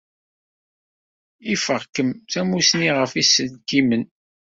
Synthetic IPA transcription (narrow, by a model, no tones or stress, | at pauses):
ifəʁkəmθæmusniʁəfisːəlɡimən